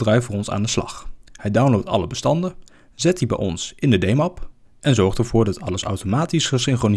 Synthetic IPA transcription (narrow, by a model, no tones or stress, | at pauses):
drɛjfərɔnsa̰ːndəslɑ̰χhɛjdawnlowtɑ̰ləbəstɑndə | zɛt̚dibɛ̰jʔɔ̰nsɪndədejmɑp | ʔɛnzɔɹχtəɹv̥ʊːɹdɑtɑləsɑ̰wtomaːtisχəsɪŋχron